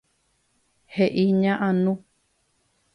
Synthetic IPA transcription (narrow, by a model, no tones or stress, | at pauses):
heʔiɲãʔãnũ